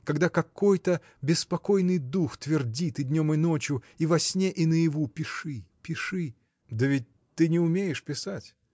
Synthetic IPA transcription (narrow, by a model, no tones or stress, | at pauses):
kɐɡd̪akɐkojt̪ə | bʲɪspɐkojnɨjd̪uxt̪vʲɪrdʲit̪ɨd̪ʲnʲo̞mɨnot͡ɕjʊivɐsʲnʲeʔinəjɪvupʲɪʂɨpʲɪʂɨ | d̪əvʲɪt̚ʲ | t̪ːɨnʲɪʊmʲejɪʂpʲɪsatʲ